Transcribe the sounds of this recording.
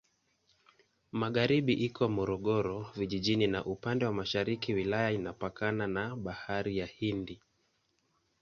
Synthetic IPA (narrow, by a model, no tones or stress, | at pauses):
maɠaɾiɓiʔikʰɔmɔɾɔɠɔɾɔviʄiʄininaʔupandɛwamaʃaɾikiwilajainapakananaɓahaɾijahindi